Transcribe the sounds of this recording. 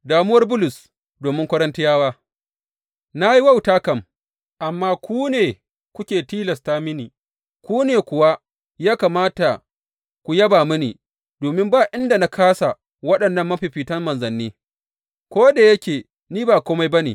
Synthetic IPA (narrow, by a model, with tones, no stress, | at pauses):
daː˨mʊ˦wɐ˦rbʊ˦lʊ˨s | doː˨mɪ˦ŋkʷɐ˦ɽɐ˦ntɪ˦jaː˦waː˦ | na˦ji˦wa˦˨wtaː˦kɐ˦˨m | ʔa˨mːaː˦kʷuː˦neː˨ | kʷʊ˦kʲeː˨tiː˦lɐ˨staː˦mɪ˦niː˨ | kʷuː˦neː˨kʷʊ˨wa˦ | jaː˦kaː˨maː˦ta˨ | kʷu˨jɐ˦baː˨mʊ˦nḭː˨ | doː˨mɪ˦mbaː˦ʔɪ˦nda˨na˦kaː˦sa˨ | wɐ˦ɗɐ˨nːɐ˦mːɐ˦ɸi˨ɸiː˨tɐ˦mmɐ˨nzɐ˨nːiː˦ | kʷoː˦da˨jɐ˦kʲeː˨ | niː˦baː˨kʷoː˦ma˦jbɐ˦neː˨